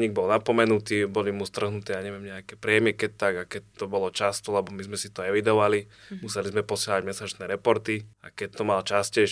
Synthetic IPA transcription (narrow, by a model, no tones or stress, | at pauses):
ɲiɡ̚bɔlnapɔmɛnut̪iːbɔlimust̪r̩ɦnut̪ɛːjaɲɛʋɪɛmɲɛakɛːpɾɪɛmɪɛkɛc̚t̪aɡakɛc̚t̪ɔbɔlɔt͡ʃast̪ɔlɛbɔmizmɛsit̪ɔɛʋid̪ɔʋalimusɛlizmɛpɔsɪaɦaɟmɛsat͡ʃnɛːɾɛpɔɾt̪iakɛc̚t̪ɔmalt͡ʃascɛ